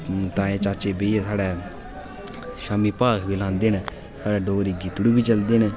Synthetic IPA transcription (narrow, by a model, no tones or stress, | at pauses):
t̪ãːẽːt͡ʃaːt͡ʃeːbeiesaːɽɛː | ʃaːmiːpaːkʰbiːlãːnd̪eːn | saːɽɛːɖoːɾiːɡit̪ɽuːbiːt͡ʃəld̪eːn